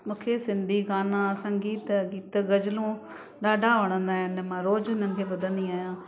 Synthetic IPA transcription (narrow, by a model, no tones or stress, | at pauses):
mũːkʰesɪ̃nd̪ʱiɡaːnãsə̃ŋɡiːt̪ɡiːt̪ɡɐd͡ʒlõ | ɗaːɖʱaʋəɽ̃ə̃nd̪aːɦənmãːɾoːd͡ʒənən̆kʰeːbɐd̪ʱə̃nd̪iaːijãː